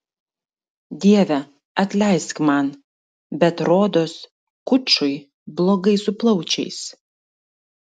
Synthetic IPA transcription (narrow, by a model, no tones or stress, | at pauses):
d̪ʲiɛʋʲɛ | ɐt̪ʲlʲɛɪskmɐn | bʲɛt̪ɾoːd̪oːs | kʊt͡ʃʊɪ | blˠoːɡɐɪsʊplˠɐʊt͡ʃʲɛ̰ɪs